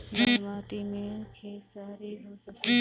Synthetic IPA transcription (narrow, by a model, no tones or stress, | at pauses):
maːʈ̪iːmẽkʰeːsaːɾiɦoːsəke